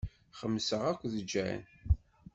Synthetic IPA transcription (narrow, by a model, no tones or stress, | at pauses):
χəmːsəʁækʷːðəd͡ʒːææ̰n